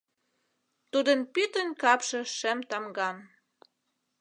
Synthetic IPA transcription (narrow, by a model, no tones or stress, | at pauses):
t̪ud̪ənpyt̪ənʲkɑpʃɤ̆ʃĕmt̪ɑmɡɑn